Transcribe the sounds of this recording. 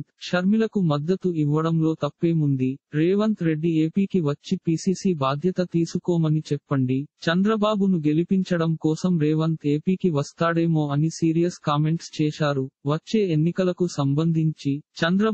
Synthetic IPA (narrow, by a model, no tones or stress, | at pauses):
t̪ʂɐɾmilɐkumɐd̪ːɐt̪uiʋːɐɽɐmlo̞ːt̪ɐpːe̞ːmund̪iɾeːʋɐnt̪ɾe̞ɖːieːpiːkiʋɐt͡ʃːipiːsiːsiːbaːd̪ʱjɐt̪ɐt̪iːsukɔːmɐnit͡ʃɛpːɐɳɖit͡ʃɐnd̪ɾɐbaːbunuɡe̞lipiɲt͡ʃɐɽɐmkɔːsɐmɾeːʋɐnt̪ʰe̞ːpiːkiʋɐst̪aːɽe̞ːmo̞ːɐnisiːɾijɐskaːme̞ɳʈst͡ʃɛːʃaːɾuʋɐt͡ʃːe̞ːenːikɐlɐkusɐmbɐnd̪ʱiɲt͡ʃit͡ʃɐnd̪ɾɐ